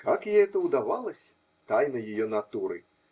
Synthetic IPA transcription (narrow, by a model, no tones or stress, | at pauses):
kakjɛɛt̪ɐwd̪avalˠɐsʲɐ̥ | t̪ajnɐjajɔnat̪uɾɨ̰